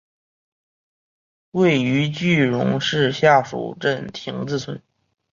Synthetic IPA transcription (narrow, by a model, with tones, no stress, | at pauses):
we˥˩ɪy˧˥t͡ɕy˥˩ɻʊ̰˧˥ŋʂɻ̩˥˧ɕja˥˩ʂṵ˨˩ʈ͡ʂə˥˩nt̪ʰi˧˥ŋt͡sɹ̩˥˩t͡sʰwə˧˥n